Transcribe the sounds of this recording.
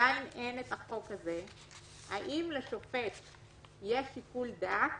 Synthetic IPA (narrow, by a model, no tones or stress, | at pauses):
ainʔe̞net̪aχo̞kaze̞ | aʔimleʃo̞fe̞t̪ | jeʃikuld̪ak